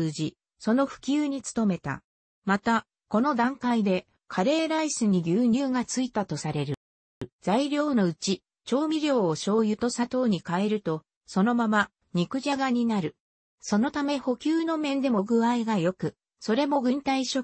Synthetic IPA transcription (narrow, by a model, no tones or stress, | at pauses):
ɨːʑi | so̞no̞ɸɯ̟̥kʲɨːɲ̟it͡sɨ̥t̪o̞me̞t̪a̰ | mat̪a | ko̞no̞d̪ãŋkaid̪e̞ | kʰaɾe̞ːɾaisɨɲ̟iɡʲɨːɲ̟ɨːɡat͡sɨit̪at̪o̞saɾe̞ɾɯ̟ | z̥aiɾʲjo̞ːno̞ɯ̟t͡ɕi | t͡ɕo̞ːmʲiɾʲo̞ːɕo̞ːjɯ̟t̪o̞sat̪o̞ːɲ̟ikae̞ɾɯ̟t̪o̞ | so̞no̞mama | ɲ̟ikɯ̟ʑaɡaɲ̟inaɾɯ̟ | so̞no̞t̪ame̞ho̞kʲɨːno̞mẽ̞nd̪e̞mo̞ɡɯ̟aiɡajo̞kɯ̟ | so̞ɾe̞mo̞ɡɯ̟̃nt̪aiɕo